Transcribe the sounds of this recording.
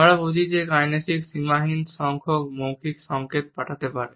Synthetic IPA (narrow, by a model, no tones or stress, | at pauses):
əɭabud͡ʒʱid͡ʒekajnesiksimaɦinsɔŋkʰɔkmõwkʰiksɔŋket̪̚paʈʰat̪epaɾe